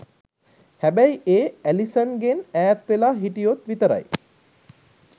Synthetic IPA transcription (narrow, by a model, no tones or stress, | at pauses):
hæbæjiʔeːælisənɡenæːt̪ʋelaːɦiʈijot̪ʋit̪əɾa̰j